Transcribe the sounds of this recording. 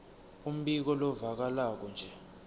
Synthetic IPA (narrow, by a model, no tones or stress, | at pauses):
um̩ɓik̬ɔlɔvak̬alak̬ɔnd͡ʒʱɛ